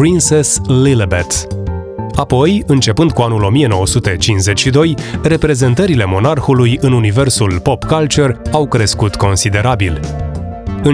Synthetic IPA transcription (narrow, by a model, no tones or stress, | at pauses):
pɾinseslilbet̪ | apo̞jɨnt͡ʃe̞pɨnd̪̚kuanulo̞mije̞no̞wəsut̪e̞t͡ʃinsze̞t͡ʃʲʃid̪o̞jre̞pɾe̞ze̞nt̪əɾile̞mo̞narxulujɨnunive̞rsulpo̞pkalt͡ʃerawkɾe̞skut̪ko̞nsid̪e̞ɾabil | ɨ